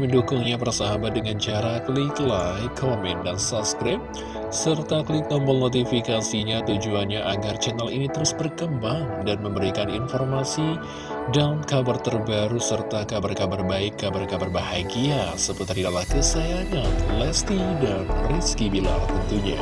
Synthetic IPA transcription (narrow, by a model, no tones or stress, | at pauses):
məndukʊŋɲap̬ərsaɦabat̪̚dəŋant͡ʃaɾakəliklajkʰomɛndansapskɾɪp | sərt̪akəlik̚nɔmpənot̪ifikasiɲat̪ud͡ʒuanɲaʔaɡart͡ʃɛnalḭnit̪əɾʊsbərkəmbaŋdanməmbəɾikaninfɔrmasi | dankabart̪ərbaɾusərt̪akabarkabarbaɪkːabarkabarbahaɡiasəbt̪ridalahkəsaaŋanlɛst̪idanriskibila̰la̰t̪ənt̪uɲa̰